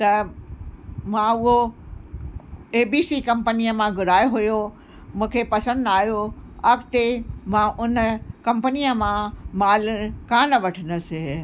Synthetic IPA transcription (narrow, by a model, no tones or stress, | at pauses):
t̪ɐ | mãʊɦo | eːbiːsikɐ̃mpənijəmãɡʊɾaːjoɦʊjo | mũːkʰepɐsə̃nd̪aːɦijoɐɡt̪emãʔʊnkɐ̃mpənijəmãmaːlkãːnɐʋɐʈʰənəsɪ̃